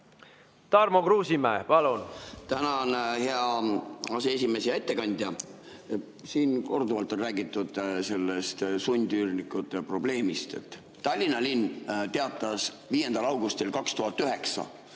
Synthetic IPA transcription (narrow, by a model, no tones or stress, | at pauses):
t̪ɑrmokɾuːsimæːpɑlunt̪ænɑonheɑɑsees̬ʲime̞sejɑe̞t̪ːe̞kɑnʲd̪̥ʲjɑ | siːnko̞rd̪uvɑlt̪ːˑo̞nræːɡit̪ˑːud̪̥se̞lːe̞st̪sunʲd̪̥yrnikːˑut̪ːˑepro̞b̥le̞ːmist̪e̞̰t̪ˑː | ɑlʲːinɑlinːt̪e̞ɑt̪ːˑɑs | viːje̞nd̪̥ɑlɑwɡust̪ilkɑkst̪uɦɑt̪ːˑyɦe̞ksɑ̰